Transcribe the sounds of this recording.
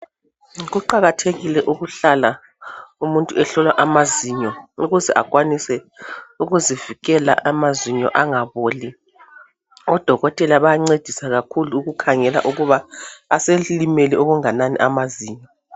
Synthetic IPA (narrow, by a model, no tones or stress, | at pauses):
ɣuǃaɣatʰeɣilɛʔuɣuɬala | umuntʼuɛɬɔlwaʔamaziɲɔuɣuzɛʔaɣʼwanisɛ | uɣuziviɣɛla̰ʔamaziɲɔ̰ʔaŋaβoːli | ɔd̥ʱɔɣɔtʼɛlaβajaŋ͡ǀed̥ʱisaɣakʰuluːɣukʰaŋɛla̰ʔuɣuβaːselimeliʔoɣuŋananḭʔamaziːɲɔ